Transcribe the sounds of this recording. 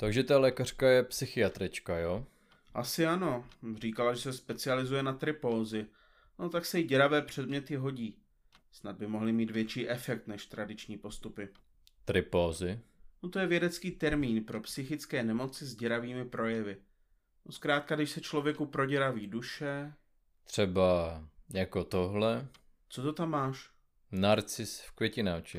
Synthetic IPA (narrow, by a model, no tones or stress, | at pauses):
t̪aɡʒɛt̪alɛkar̝̥kajɛpsɪxɪat̪ɾɪt͡ʃkajo | ʔasɪano̞r̝iːkalaʒɛsɛspɛt͡sɪalɪzujɛnat̪ɾɪpo̞ːzɪ | ot̪aksɛjɪɟɛɾavɛːpr̝̥ɛdmɲɛt̪ɪɦo̞ɟiː | snad̪̚bɪmo̞ɦlɪmiːt̪vjɛt͡ʃiːʔɛfɛk̚t̪nɛʃt̪ɾadɪt͡ʃɲiːpo̞st̪upɪ | t̪ɾɪpoːzɪnot̪ojɛvjɛdɛt͡skiːt̪ɛɾmiːnpɾo̞psɪxɪt͡skɛːnɛmo̞t͡sɪzɟɛɾaviːmɪpɾo̞jɛvɪ | noskɾaːt̪̚kadɪʃsɛt͡ʃlo̞vjɛkupɾo̞ɟɛɾaviːduʃɛ | t̪r̥ɛbajakot̪oɦlɛ | tt͡sot̪ot̪amːaːʃ | naɾt͡sɪsfkvʲjɛcɪnat͡ʃɪ